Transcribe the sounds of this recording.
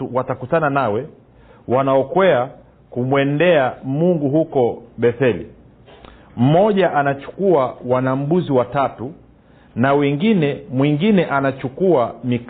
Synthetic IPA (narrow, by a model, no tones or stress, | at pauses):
uwatakutananawɛ | wanaɔkwɛa | kumwɛndɛamuŋɡuɦukɔɓɛθɛlḭ | m̩mɔʄaʔanat͡ʃu̥kuawanam̩buziwatatu | nawɛŋɡinɛmwiŋɡinɛʔanat͡ʃukuamik